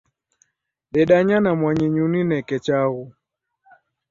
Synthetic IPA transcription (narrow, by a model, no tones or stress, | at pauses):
ɗɛɗaɲanamwaɲiɲuninɛkɛt͡ʃaɣu